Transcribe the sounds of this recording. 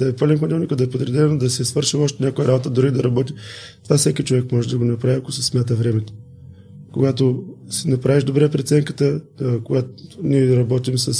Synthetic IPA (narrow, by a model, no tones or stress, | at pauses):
d̪ɐɛpalɛnkɐd̪ɛlˠnikəd̪ɐɛpod̪ɾɛd̪ɛnod̪ɐsɛsvɤɾʃiɔʃt̪ɛnʲjakojəɾabot̪əd̪ʊɾid̪ɐɾɐbɔt̪it̪ovafsɛkit͡ʃovɛkmɔʒɛd̪ɐɡonɐpɾaviakosɐsmʲjat̪əvɾɛmɛt̪o̥ | koɡat̪osinɐpɾaviʒd̪obɾɛpɾit̪sɛŋkət̪əkoɡat̪niɛɾɐbɔt̪imsəs